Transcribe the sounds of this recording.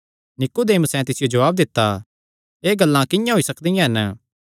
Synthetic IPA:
nɪkod̪eːmsɛ̃t̪ɪsɪjod͡ʒɐʋaːb̚d̪ɪt̪ːa | eːɡɐlːãkɪjãɦoisɐkd̪ijãɦɛnə

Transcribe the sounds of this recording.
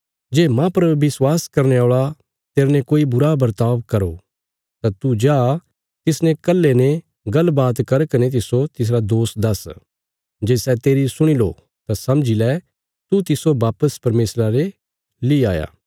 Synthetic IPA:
d͡ʒeːmãpɐɾʋɪswaːskɐɾneaːɭa | t̪eːɾnekoːibʊɾabɐɾt̪aːʋkɐɾo̰ | t̪at̪ud͡ʒaː | t̪ɪsnẽkɐlːenẽ | ɡɐlbaːt̪kɐɾkɐnet̪̬ɪsot̪ɪs̬ɾad̪oːsd̪ɐs | d͡ʒeːsɛt̪eːɾisʊɽ̃ilo̰ | t̪asɐ̃md͡ʒilɛ | t̪ut̪ɪsobaːpəspɐɾmeːsɾaɾe | liaːja̰ː

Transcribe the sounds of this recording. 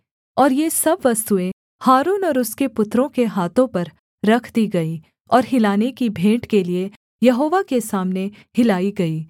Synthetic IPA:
ɔːɾjesɐbʋɐst̪uẽ | haːɾuːnɔːɾʊskepʊt̪ːɾõkeɦaːt̪õpɐɾ | ɾɐkʰd̪iɡɐi | ɔːɾɦɪlaːnekibʱẽːʈkelie | jɐɦoːʋakesaːmnehɪlaːiɡɐiː

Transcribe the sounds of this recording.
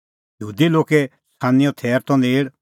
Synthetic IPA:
jəɦuːd̪iloːkɛ | sʰaːnijɔ̃t̪ʰɛːɾt̪ɔ̃neːɽ

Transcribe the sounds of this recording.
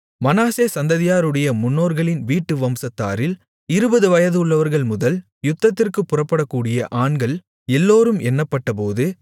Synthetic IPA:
mɐnaːseːsɐnd̪ɐðɪjaːɾɯɽɐjɐmʊnːoːɾɣɐɭɪnʋiːʈːɯʋɐmsɐt̪ːa̰ːɾɪl | ɪɾɯbɐðɯʋɐjɐðɯɯɭːɐʋɐɾɣɐɭmʊðɐl | jʊt̪ːɐt̪ːɪrkɯpːʊrɐpːɐɽɐkːuːɽɪjɐʔaːɳɡɐɭ | ɛlːoːɾɯmɛnːɐpːɐʈːɐpoːðɯ

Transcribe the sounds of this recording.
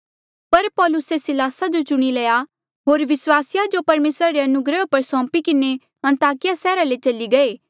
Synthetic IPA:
pɐɾpɔːlʊsesɪlaːsad͡ʒot͡ʃʊɽ̃ilɐja | ɦoːɾʋɪswaːsɪjad͡ʒopɐɾmeːsɾaɾeɐnʊɡɾəopɐɾsɔ̃ːpikɪne | ɐ̃nt̪aːkɪjasɛːɾalet͡ʃɐliɡɐeː

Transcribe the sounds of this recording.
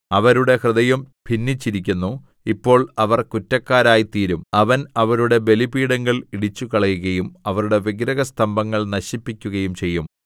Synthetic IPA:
ɐʋɐɾuɽe̞hrɨðɐjum | pinːit͡ɕːiɾik̬ʲːunːu | ipːo̞ːɭɐʋɐrkutːɐkːaːɾaːjit̪iːɾumɐʋɐnɐʋɐɾuɽe̞be̞libiːɽɐŋːɐɭiɽit͡ɕːukɐɭɐjuɣɐjumɐʋɐɾuɽe̞ʋiɡɾɐɣɐst̪ɐmbɐŋːɐɭnɐɕipːikʲːuɣɐjumt͡ɕe̞jːum

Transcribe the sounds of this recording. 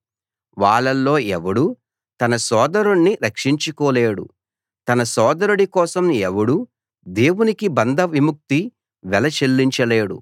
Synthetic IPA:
ʋaːɭːɐlːo̞ːʔɛʋɐɽu | t̪ɐnɐsɔːd̪ɐɾuɳːiɾɐkʂiɲt͡ʃukɔːleːɽṵ | t̪ɐnɐsɔːd̪ɐɾuɽikɔːsɐmɛʋɐɽu | d̪e̞ːwunikibɐnd̪ʱɐʋimuk̚t̪i | ʋɛlɐt͡ʃelːiɲt͡ʃɐle̞ːɽṵ

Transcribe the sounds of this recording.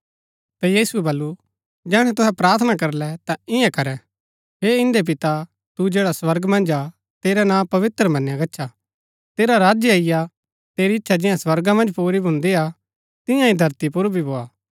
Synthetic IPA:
t̪ajiːsuɛbɐlːu | d͡ʒɛːɽ̃ɛ̃t̪ʊɦɛpɾaːɾt̪ʰnakɐɾlɛt̪ãɪ̃ɛ̃kɐɾɛ̃ | ɦeɪ̃nd̪ep̬ɪt̪a | t̪ud͡ʒeːɽaswɐɾɡmɐ̃nd͡ʒa | t̪eːɾɛnãːpɐʋɪt̪ɾəmɐ̃njãɡɐtːʃʰa | t̪eːɾaɾaːd͡ʒjaɪja | t̪eːɾiɪtːʃʰad͡ʒɪ̃jãswɐɾɡamɐ̃nd͡ʒpuːɾibʱʊ̃nd̪ia | t̪ɪ̃jãĩd̪ʱɐɾt̪ipʊɾbʱibʱoːaː

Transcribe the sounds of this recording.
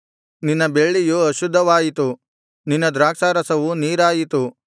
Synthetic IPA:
ninːɐbe̞ɭːijuɐʃud̪ʱːɐʋaːjit̪u | ninːɐd̪ɾaːksaːɾɐsɐʋuniːɾaːjit̪u

